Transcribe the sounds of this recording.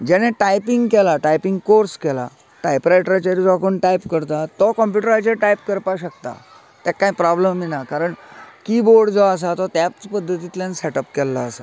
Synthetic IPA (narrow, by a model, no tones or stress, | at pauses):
d͡ʑɛñẽʈajpiŋɡkɛlaʈajpiŋɡkoɾskɛla̰ | ʈajpɾajʈɾat͡ɕaɾid͡zɔkʰuːɳʈajpkəɾt̪at̪ɔkɔmpjuʈəɾat͡ɕeʈajpkəɾpaɕək̚t̪a̰ | t̪ɛkːaipɾɔbləmːinakaɾəɳkiboɾɽd͡zɔəs̬at̪ɔt̪japt͡spəd̪ʱːət̪it̪iljãnsɛʈəpkɛlːaːsa